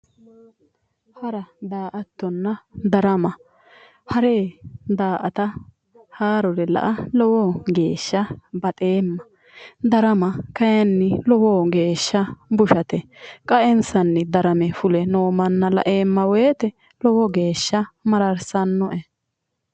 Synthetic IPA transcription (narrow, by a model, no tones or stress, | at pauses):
hɐɾɐd̪aːʔɐt̪ːɔnːɐd̪ɐɾɐmɐ | hɐɾeːd̪aːʔɐt̪ɐ | haːɾɔɾɛlɐ̰ʔɐlɔwɔɡe̞ːʃːɐbɐt̪ʼeːmːɐ | d̪ɐɾɐmɐkɐjɐnːɪlɔwoːɡe̞ːʃːɐbʊʃɐt̪ɛkʼɐʔɛnsɐnːɛd̪ɐɾɐmɛfʊlɛnoːmɐnːɐlɐ̰ʔeːmːɐweːt̪ɛ | lɔwɔɡe̞ːʃːɐmɐɾɐɾsɐnːɔʔɛ